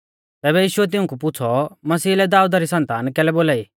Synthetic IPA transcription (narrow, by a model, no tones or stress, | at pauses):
t̪ɛːbɛjiːʃʊɛt̪̬ɪ̃ũkup̬ʊt͡sʰɔmɐsiːlɛd̪aːud̪aɾisɐ̃nt̪aːnkɛːlɛboːlaːiː